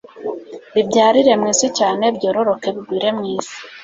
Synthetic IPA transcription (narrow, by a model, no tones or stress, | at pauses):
βibɟaːɾiɾe̞mŋiːsicaːne̞bɟo̞ːɾo̞ɾo̞ke̞βiɡwiːɾe̞mŋiːzi̥